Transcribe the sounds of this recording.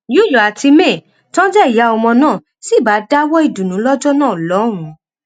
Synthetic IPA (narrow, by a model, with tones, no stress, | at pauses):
ju˦ju˨a˨ti˧mẽ˦˨ | tɔ̃˦d͡ʒɛ˦i˨ja˨˦ɔ˧mɔ̃˧nãː˦˨ | si˦˨ba˨˦da˦wɔ˦i˦˨dũ˨nũ˨˦lɔ˦d͡ʒɔ˦nãː˦˨lɔ˨˦ɾ̃ũ˨˦